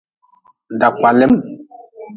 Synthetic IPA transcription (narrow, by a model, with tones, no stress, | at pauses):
n˨da˨ka˨le˦m